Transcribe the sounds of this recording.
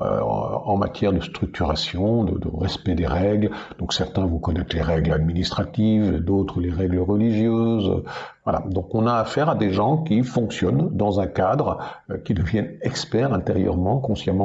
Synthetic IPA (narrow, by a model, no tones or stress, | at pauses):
ø̰ɑ̃ma̰t̪jɛʁd̪əst̪χyk̚t̪yʁasjɔ̃d̪ə̰d̪ə̰ʁɛspɛd̪eʁɛɡld̪̥ɔ̃ksɛʁt̪ɛ̃vukɔnɛt̪leʁɛɡlad̪minist̪χat̪ivd̪ot̪χəleʁɛɡləʁəliʒjøz̰vwala̰d̪ɔ̃kɔ̃naːfɛʁad̪eʒɑ̃kʲifɔ̃ksjɔnd̪ɑ̃zɛ̃kad̪ʁkʲid̪əvjɛnɛkspɛʁɛ̃t̪eʁjœ̰ʁmɑ̃kɔ̃sjamɑ̃